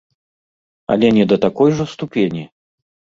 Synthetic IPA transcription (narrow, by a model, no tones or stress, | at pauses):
ɐ̰lʲɛnʲɛd̪ɐt̪akɔjʐɐst̪upʲenʲi